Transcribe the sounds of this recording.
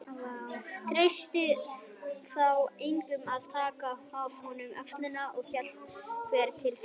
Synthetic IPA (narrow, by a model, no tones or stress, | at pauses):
jawt̪ʰɾejst̪ɪ | θawejŋkʏmaðt̪ʰaːkaav̥hɔnʏmœ̰kst̪lɪnaɔɣçɛl̥vɛːɾt̪ʰɪl